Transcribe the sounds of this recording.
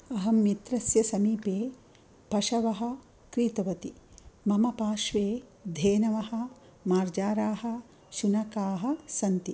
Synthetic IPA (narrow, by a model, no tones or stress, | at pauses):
ɐɦɐmːit̪ɾɐsjɐsɐmiːpeː | pɐʃɐʋɐɦɐ̆ | kɾiːt̪ɐʋɐt̪i | mɐmɐpaːʃʋeː | d̪ʱeːnɐʋɐɦɐ̆ | maːɾd͡ʒaːɾaːɦɐ̆ | ʃunɐkaːɦɐ̆sɐnt̪i